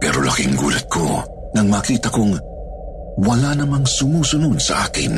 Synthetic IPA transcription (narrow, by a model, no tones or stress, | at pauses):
pɛːɾo̰lɐ̰kɪŋɡṵːlɐt̪̚kʰo̰ | nɐŋmaːkiːt̪ɐkoŋ | wɐlanɐmaŋsʊmuːsʊnod̪sɐʔaːkɪ̰n